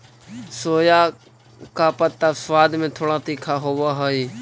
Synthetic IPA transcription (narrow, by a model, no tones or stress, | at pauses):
soːjaː | kaːpət̪ːaːsʋaːd̪mẽːt̪ʰoːɽãːt̪iːkʰaːɦoːʋaːɦoːiː